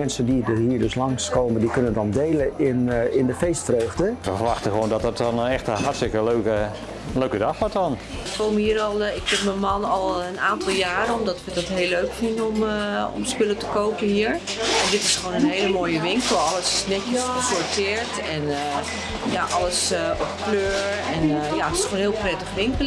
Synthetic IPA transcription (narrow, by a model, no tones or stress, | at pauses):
mɛnsəndidhiːɹdøslɑŋskoːməndikønənədɔndeːləɪnɪndəfeːstfrøːɣdəʋəfəʋɑxtəxʋoːndɔtdɔtɔnɛxtəɦatstɪkəløkə | løɥkədɑxʋɔɹtɔn | əfolˠməhiːəɾɔlˠɪkfɪtməmɑnɔlˠənaːntɑlˠjaːɾənɔmdɔtʋədɔtɦeːlːøɥkfɪndəɔmɔ̰mspɪlətəkowkənhiːɹ | ɛndɪtɪsχʋoːnənɦejləmoːjəʋɪŋkəl̩ˠɑləsɪsnɛtəəsɔɹtɪːɹt | ɛn | jaʔɑləsɔp̚kløːɹɛnjaətɪ̥sχoːnɦɪːlˠprɛtəχʋɪŋkəl